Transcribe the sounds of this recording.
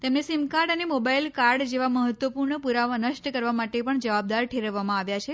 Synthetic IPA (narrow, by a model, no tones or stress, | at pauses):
t̪emnesimkaɾɖənemobailkaɾɖd͡ʒeʋaməɦət̪ʋəpuɾɳəpuɾaʋanəʃʈəkəɾʋamaʈepəɳd͡ʒəʋab̚d̪aɾʈʰeɾəʋamãaʋjat͡ʃʰe